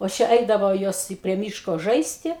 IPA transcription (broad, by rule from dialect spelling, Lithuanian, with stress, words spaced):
oː ˈt͡ʃʲɛ ˈɛɪdɐʋoː ˈjoːs ɪ pʲrʲiɛ ˈmʲiːʃkoː ˈʒɐɪsʲtʲɪ